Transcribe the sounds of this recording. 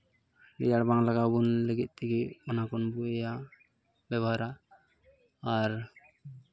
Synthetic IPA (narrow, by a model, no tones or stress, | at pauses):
dɛ̰jaɽbaŋlaɡabunlɛɡɛt̪̚ˀt̪ɛɡɛʔmɔnakɔnbuɛja | bɛbʱaɾa | ɾ